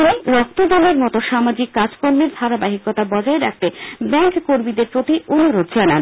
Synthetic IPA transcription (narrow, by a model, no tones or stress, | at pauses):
iɾɔk̚t̪od̪ɔleɾmɔt̪oʃamad͡ʑikːad͡ʑkoɾmeɾd̪ʱaɾabaɦikot̪abɔd͡ʑaeɾak̚t̪ebɛŋkkoɾmid̪eɾpɾot̪iʔonuɾod̪̚d͡ʑanan